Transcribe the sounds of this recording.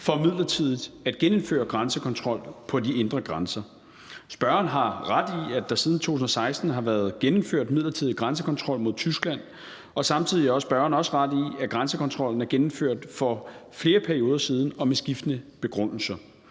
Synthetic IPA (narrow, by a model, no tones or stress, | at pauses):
fɒ̽mið̰ˠlɐt͡sʰið̞̰ˠid̥ˠæd̥ɡ̥enenfø̰ːɐɡ̥ʁɑnsəkʰɒ̽nt͡sʰʁɒ̽l̰pʰɒ̽die̝nd̥ʁɐɡ̥ʁɑnsɐ | sb̥ɶɐɐnɦɑ̈ʁad̥iæd̥ɑ̈siːð̞ˠn̩t͡sʰo̝̰ːun̩ɒsɑ̈ɪsd̥n̩ɦɑ̈ʋæːɐð̞ˠɡ̥enmføɐ̰d̥mið̞̰ˠlɐt͡sʰiðˠiɡ̥ʁans̬əkʰɒ̽nt͡sʰʁɒ̽l̰mo̝ð̞ˠt͡sʰysɡ̥læn̰ | ɒ̽sɑ̈mt͡sʰið̰ˠiæɐɒ̽sb̥ɶɐɐnɒ̽səʁɑd̥iæɡ̥ʁɑnsəkʰɒ̽nt͡sʰʁɒ̽l̰n̩æɐɡenm̩føɐ̰d̥fɒ̽fle̝ːɐpʰæɐio̝ːðˠɐsiːð̞ˠn̩ɒ̽mesɡ̥ifd̥ənəb̥e̝ɡ̥ʁɔn̰l̩sɐ